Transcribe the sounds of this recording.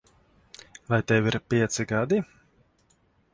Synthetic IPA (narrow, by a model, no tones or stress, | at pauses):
vajt̪ɛwiɾpʲiɛt̪siɡad̪i